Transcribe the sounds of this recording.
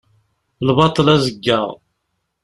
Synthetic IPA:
əlβɑt̪ˤəlæzəɡːəʁ

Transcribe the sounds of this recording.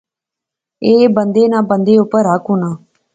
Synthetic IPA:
eːbənd̪eːnãːbənd̪eːʊpəɾaːkʊnaː

